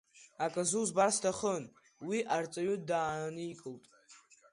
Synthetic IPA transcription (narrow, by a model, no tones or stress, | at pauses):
akʼazuzbarstʰaχən | wiʔart͡sʼaɥʊdaːnɨikʼɨltʼ